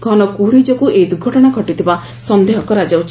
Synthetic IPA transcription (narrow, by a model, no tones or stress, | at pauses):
ɡʱɔnɔkuɽid͡ʒɔkueid̪uɡʱɔʈɔɽ̃aɡʱɔʈit̪ʰiba | sɔnd̪ʱeɦɔkɔɾad͡ʒawt͡ʃʰ